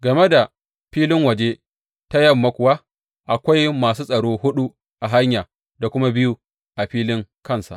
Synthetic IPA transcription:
ɡɐ˨me˦da˨ | ɸiː˦lɪ˦ŋwɐ˨d͡ʒe˦ | ta˦jɐ˦mːa˦kʷʊ˨wa˦ | ʔa˨kʷa˦jmaː˨suː˦sʼɐ˨ɽoː˦hʊ˦ɗu˦ | ʔa˨ɦa˦ɲjaː˨ | da˨kʷʊ˦ma˦bɪ˦ju˦ | ʔa˨ɸiː˦lɪ˦ŋkɐ˦˨nsa̰˨ʔ

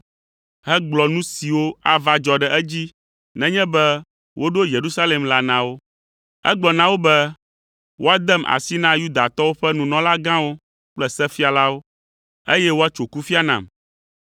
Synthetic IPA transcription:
ɦɛ˦ɡ͡blɔ˨nũ˦si˨wo˦a˦va˦d͡ʒɔ˨ɖɛ˨ʔɛ˦d͡ʑi˦ | nɛ̃˦ɲɛ̃˦bɛ˦ | wo˦ɖo˦je˨ɾu˦sa˦le˨mla˦nã˨wo˦ | ɛ̰˦ɡ͡blɔ˨nã˦wo˦bɛ˦ | wo˦a˦d̪ɛ˦mʔa̰˨si˦nã˦ju˦d̪a˨t̪ɔ˦wo˦ɸɛ˦nũ˨nɔ̃˨˦la˦ɡã˦wo˦ | k͡plɛ˦sɛ˦fi˦a˨la˦wo˦ | e˦jɛ˦wo˦a˦t͡ʃo˨ku˦fi˦a˦nã̰˨m

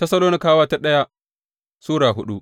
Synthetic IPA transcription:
tɐ˦sɐ˦loː˦ni˦kaː˦waː˦ta˦ɗɐ˦ja˦ | suː˦ɽaː˨ɦʊ˦ɗu˦ʔ

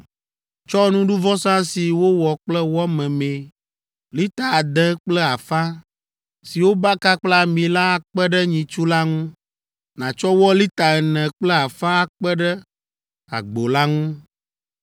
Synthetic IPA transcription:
t͡ʃɔ˦nũ˦ɖu˦vɔ˦sã˦si˨wo˦wɔ˨k͡plɛ˦wɔ˦mɛ̃˨mẽ˨ | li˦t̪a˨a˨d̪ɛ̃˦k͡plɛ˦a˨fã˦ | si˨wo˦ba˦ka˦k͡plɛ˦a˨mĩ˨la˦a˨k͡pɛ˦ɖɛ˦ɲĩ˨t͡ʃu˦la˦ŋũ˦ | nã˨t͡ʃɔ˦wɔ˦li˦t̪a˨ɛ˨nɛ̃˨k͡plɛ˦a˨fã˦a˨k͡pɛ˦ɖɛ˦ | a̰˨ɡ͡bo˨la˦ŋũ˦

